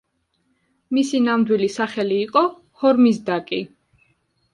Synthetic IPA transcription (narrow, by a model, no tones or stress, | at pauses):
misinamd̪wilisaχɛliːqʼɔ | hɔɾmis̬d̪akʼi